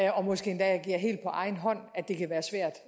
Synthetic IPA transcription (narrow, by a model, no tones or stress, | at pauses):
ɒ̽mɒ̽sɡ̥e̝̰ːend̥ɛjɑɡ̥ḭɐɦe̝̰ːld̥̚pʰɒ̽ʔɑ̈ɪnɦɒ̽n̰æd̥e̝kʰæʋæːɐsʋæɐ̰d̥